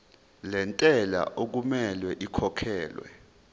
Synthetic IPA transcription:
lɛntʼɛla̰ʔok̬umɛlwɛʔikʰɔkʰɛːlwɛ̰

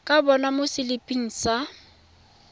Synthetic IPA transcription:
kʼabɔnamʊsɪlɪpʼiŋ̩ːsa

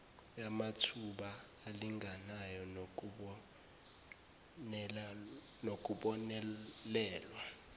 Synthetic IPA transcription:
jamatʰuɓaː | liŋɡʱanajɔ | nok̬ʼuɓɔnɛlɛːlwa

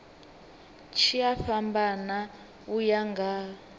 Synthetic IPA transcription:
t͡ʃʰiafambana | ujaŋɡa

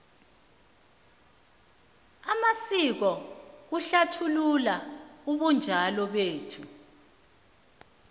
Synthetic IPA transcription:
amasik̬ɔuɬatʰululauɓund͡ʒʱalɔɓeːtʰu

